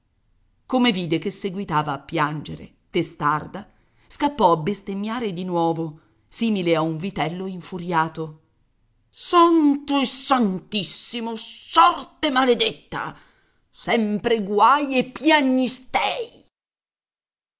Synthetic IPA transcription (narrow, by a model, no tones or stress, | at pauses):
komeviːd̪ekesːeɡwit̪aːvaːpːjand͡ʒeɾḛ | t̪est̪ard̪a | skapːɔabːest̪emːjaːɾed̪inwɔːvo | siːmileauɱvit̪ɛlːoiɱfuɾjaːt̪o | sant̪oesːant̪isːimosɔrt̪emaled̪et̪ːa̰ | sɛmpɾeɡwajepːjaɲːist̪ɛj